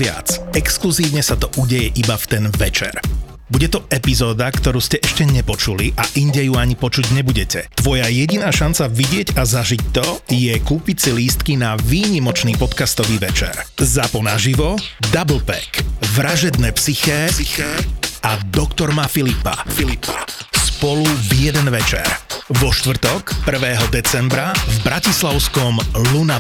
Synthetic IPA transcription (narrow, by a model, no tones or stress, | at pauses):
ɪa̰t͡sɛkskluziːʊɲɛsat̪ɔʔuɟɛjɛʔibaft̪ɛnʋɛt͡ʃɛ̰ɾ | buɟɛt̪ɔɛpizɔːd̪akt̪ɔɾuːscɛʔɛʃcɛɲɛpɔt͡ʃuliʔaʔiɲɟɛjuaɲipɔt͡ʃuɟɲɛbuɟɛcɛt̪ʋɔjajɛɟinaːʃant͡saʋiɟɪɛɟazaʒic̚t̪ɔjɛkuːpicsiliːst̪kinaʋiːɲimɔt͡ʃniːpɔt̪kast̪ɔʋiːʋɛt͡ʃɛ̰ɾzapɔnaʒiʋɔd̪abl̩pɛ̰kʋɾaʒɛd̪nɛːpsixɛːɛad̪ɔkt̪ɔɾmafilipa̰ | spɔluvjɛd̪ɛnʋɛt͡ʃɛ̰ɾʋɔʃt̪ʋr̩t̪ɔkpr̩ʋɛːɦɔd̪ɛt͡sɛmbɾavbɾacislaʊskɔmluna